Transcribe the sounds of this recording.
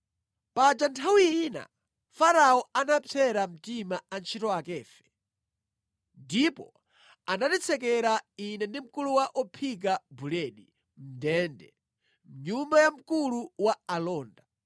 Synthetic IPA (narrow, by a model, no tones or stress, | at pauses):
pad͡ʒantʰawiːna̰ | faɾaɔanapʰɛɾam̩timaant͡ʃʰitɔakɛːfɛ̥ | ndipɔ̰ | anatit͡sʰɛkɛɾainɛndim̩kuluwaʔɔpʰik̬abulɛɗi | m̩dɛːndɛ̰ | m̩ɲumbajam̩kuluwaalɔːnda